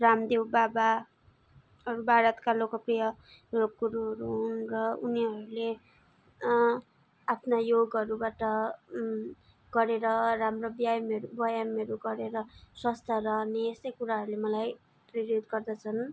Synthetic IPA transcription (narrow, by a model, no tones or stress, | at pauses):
ramd̪ewbaba | ʌɾubʱaɾʌt̪kalokʌprijʌ | jokuɾuɦʌɾuɦunrʌuniɦʌɾule | apʰnajoɡʌɾubaʈʌ | ɡ̥ʌɾeɾʌramrobjajmʌɾubʌjamʌɾuɡʌɾeɾʌswʌst̪ʰʌɾʌneest̪ʌjkuɾaɦʌɾulemʌlaj | priɾjod̪ɡʌrd̪ʌt͡sʰʌn